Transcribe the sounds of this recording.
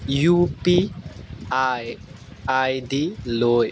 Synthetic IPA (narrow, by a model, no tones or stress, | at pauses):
jupi | aj | ajdiloj